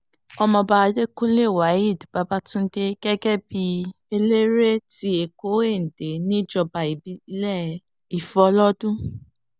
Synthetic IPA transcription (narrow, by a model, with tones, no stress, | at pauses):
ɔ˧mɔ̃˧ba˧a˧de˦kũ˦le˦˨wa˨˦i˦˨dba˨˧ba˦tũ˦n̩˦de˧ɡ̥ɛ˦ɡɛ˦bi˧ | e˧le˦ɾe˦ti˦e˨ko˨˦e˦˨n̩˨de˨nĩ˦d͡ʒɔ˧ba˨i˨bi˨˦lɛ˦˨ | i˨fɔ˨˦lɔ˦dũ˦